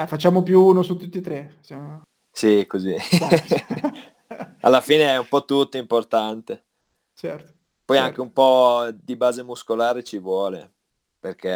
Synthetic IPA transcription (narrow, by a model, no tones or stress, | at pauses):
ɛfat͡ʃːaːmopjuunosut̪ːut̪ːit̪ɾesjam | sikozi | a̰lːafiːneɛumpɔt̪ːut̪ːoimport̪ant̪e | t͡ʃɛɾt̪o̥ | pɔjaŋk̟eumpɔd̪ibaːzemuskolaːɾet͡ʃivwɔːlḛ | perk̟e